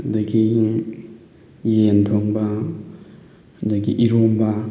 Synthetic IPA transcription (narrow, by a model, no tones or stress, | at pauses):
dɐɡi | jentʰoŋbɐ | dɐɡiʔiɾombɐ